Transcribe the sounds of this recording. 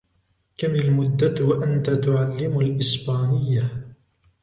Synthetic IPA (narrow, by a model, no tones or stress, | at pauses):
kamɪlmʊd̪ːawaʔant̪at̪ʊʕalːɪmalʔɪsbaːnɪjːa